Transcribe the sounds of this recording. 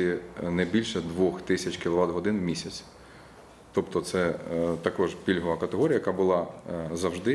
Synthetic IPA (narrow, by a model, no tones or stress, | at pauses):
inɐbʲilʲʃɛd̪ʋɔxt̪ɪsʲɐt͡ʃkʲɪlˠɔʋɑt̪ɦɔd̪ɪnwmʲisʲɐt͡sʲ | t̪ɔpt̪ɔt̪sɛt̪ɐkɔʒpʲilʲɦɔʋɐkɐt̪eɦɔɾʲjɐjɐkɑbʊlˠɑzɐwʒd̪ɪ